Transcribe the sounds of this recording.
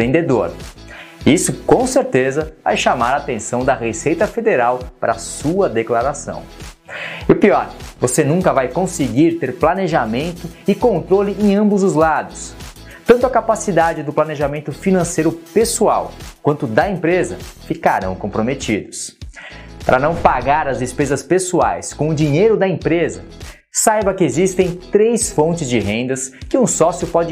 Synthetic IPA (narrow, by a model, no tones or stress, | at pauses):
ẽnd̪ed̪oɾ | isʊkõseɾt̪ezɐva̰jʃamaɾaːt̪ẽsɐ̃w̃d̪ɐʁesejt̪ɐfed̪eɾawpaɾɐasuɐd̪eklaɾasɐ̰̃w̃ | iʊpiɔɾvosenũkɐvajkõsɪɡiɾt̪eɾplaneʒamẽnt̪ʊɪkõnt̪ɾolɪʔẽɐ̃mbʊzʊzlad̪ʊs | t̪ɐ̃t̪ʊɐkapasid̪ad͡ʒɪd̪ʊplaneʒamẽnt̪ʊfinɐ̃sejɾʊpesua̰wkwɐ̃nt̪ʊd̪ɐẽmpɾezɐfika̰ɾɐ̰̃w̃kõpɾomet͡ʃid̪ʊs | paɾɐnɐ̃w̃paɡaɾɐzd̪espezɐspesua̰jskõʊd͡ʒiɲejɾʊd̪ɐẽpɾezɐ | sajbɐkɪezist̪ẽj̃t̪ɾejsfõnt͡ʃɪzd͡ʒɪɦẽnd̪ɐskɪũsɔsjʊpɔd͡ʒɪ